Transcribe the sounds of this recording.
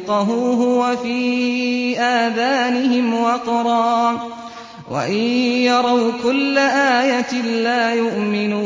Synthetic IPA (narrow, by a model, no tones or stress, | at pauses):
qɑɦʊːɦʊwafiː | ʔaːðaːnɪɦɪmwɑqɾˤɑː | wa̰ʔɪjɑɾˤɑwkʊlːaʔaːjat̪laːjʊʔmɪnuː